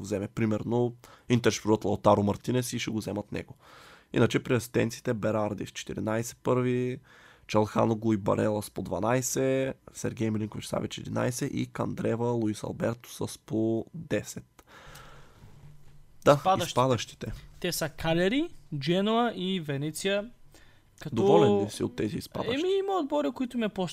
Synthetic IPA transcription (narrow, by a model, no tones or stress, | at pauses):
zɛmɛpɾimɛɾnoint̪ɛɾʃpɾuət̪lˠɐlt̪aɾomɐɾt̪inɛsiʃɛɡozɛmɐt̪nɛ̰ɡo | ḭnət͡ʃɛpɾiɐsi̥st̪ɛ̰nt̪si̥t̪ɛbɛɾaɾd̪ist͡ʃɛ̥t̪iɾḭnajsɛ̥pɤɾvi | t͡ʃɐlˠxa̰noɡlˠʊibɐ̰ɾɛlˠəspod̪vanajsɛsɛ̰ɾɡʲɛjmlʲiŋkovit͡ʃsa̰vit͡ʃɛd̪ina̰jsɛʔḭkɐ̰nd̪ɾɛvəlˠuisɐ̰lˠbɛɾt̪o̥səspod̪ɛsɛt̪ | d̪̥aisʃpad̪əʃt̪i̥t̪ɛt̪ɛsɐkalʲɛɾid͡ʒɛnoɐivɛnɛt̪sijə | kɐtd̪oɔvɔlɛnd̪isio̰t̪ːɛziːspa̰d̪əɛmiimɐod̪̚bɔɾikoit̪ʊmɛpɔ